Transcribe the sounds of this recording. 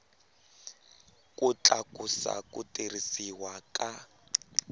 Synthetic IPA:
kʼʊt͡ɬʼakʼusa̰kʼʊtʼirisiwakʼa

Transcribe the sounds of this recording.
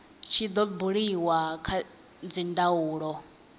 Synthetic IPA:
t͡ʃʰid̪ɔbuɺiwakʰa | d͡zindauːɺɔ

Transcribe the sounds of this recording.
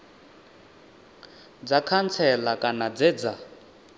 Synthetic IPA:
d͡zakʰant͡sʰɛlakʼanad͡zɛd͡za

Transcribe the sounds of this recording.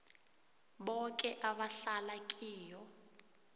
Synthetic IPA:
ɓɔkʼɛʔaɓaɬalakʼiːjɔ

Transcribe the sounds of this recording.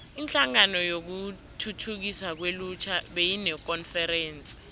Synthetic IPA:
int͡ɬʼaŋanɔjok̬u | tʰutʰuk̬isak̬welut͡ʃʰaɓejinɛk̬ʼɔnfɛɾɛːnt͡sʼi̥

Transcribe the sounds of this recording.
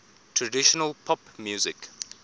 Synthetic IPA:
tʰɹədɪʃɔnəlpʰɔpmjuːzɪk

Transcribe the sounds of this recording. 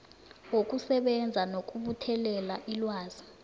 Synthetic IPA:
wok̬ʼusɛɓɛnd͡zʱanok̬ʼuɓutʰɛlɛlaʔilwaːz̥i

